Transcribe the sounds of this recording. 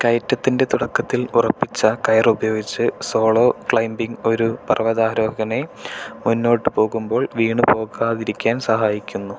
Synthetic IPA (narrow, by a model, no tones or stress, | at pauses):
kɐjtːɐt̪ːinde̞t̪uɽɐkːɐt̪ːilurɐpːit͡ɕːɐkɐjɐrubɐjo̞ːɡit͡ɕːɨso̞ːɭo̞ːkɭɐjmbiŋɡo̞ɾupɐrʋɐðaːɾo̞ːɡɐne̞munːo̞ːʈːɨpo̞ːɣumbo̞ːɭʋiːɳɨpo̞ːɣaːðiɾikʲːaːnsɐɦaːjikʲːunːu